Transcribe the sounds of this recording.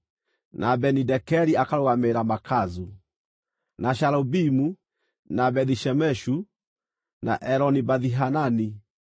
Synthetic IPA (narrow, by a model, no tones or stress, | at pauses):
nʔabɛnidɛkɛɾiakaɾoɣameɾamakazu | naʃaɾɔbimu | nabɛðiʃɛmɛʃu | na̰ʔɛɾɔnibaðiɦanani